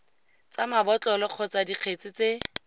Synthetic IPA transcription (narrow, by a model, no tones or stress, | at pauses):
t͡samabɔt͡ɬʼɔlɔq͡χʰɔt͡sadiq͡χʰet͡sɪt͡se